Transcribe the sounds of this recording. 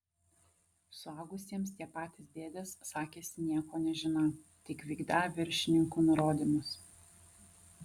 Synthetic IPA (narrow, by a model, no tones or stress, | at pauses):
sʊɑˑːɡʊsʲiɛmst̪ʲiɛpɑːt̪ʲɪsd̪ʲeːd̪ʲɛssɑːkʲeːsʲɪnʲiɛkoːnʲɛʒʲɪnɐt̪ʲɪkʋʲiːɡd̪ɑːʋʲɪɾʲʃʲɪnʲɪŋkuːnʊɾoːd̪ʲimʊs